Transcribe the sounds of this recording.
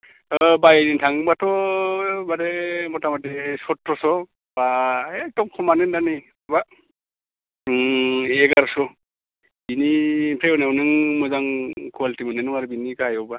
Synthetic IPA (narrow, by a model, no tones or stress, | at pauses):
bajnintʰaŋbatɔ | baɾemɔtamatesɔtːɔsɔ | b̥aek̚dɔmkʰɔmanendani | ba | eɡaɾsɔ | binipʰɾeɔnewnɯŋmɯzaŋkʰualitimɯnenɯŋaɾɯbinikajɔwba